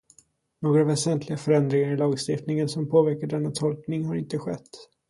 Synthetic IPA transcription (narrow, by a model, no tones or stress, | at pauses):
noːɡɾaɑːvɛsɛnt̪ʰlɪɡafœɾɛnd̪ɾɪŋaɾɪlɑːɡst̪ɪft̪nɪŋənsɔmpʰoːvæɾkaɖɛnːat̪ʰɔlknɪŋɦaɾɪnt̪əɧɛt̪ː